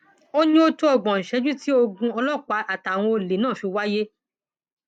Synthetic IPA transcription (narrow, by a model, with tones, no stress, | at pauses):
o˦ɲĩ˦o˦to˦ɔ˧˨ɡ͡bɔ̃˨n̩˨ʃɛ˧˦d͡ʒu˦ti˦o˧ɡũ˧ɔ˧lɔ˦˨k͡pa˨˧ʔa˨ta˨w̃ɔ̃˧o˧le˨nãː˦˨fi˧wa˦je˦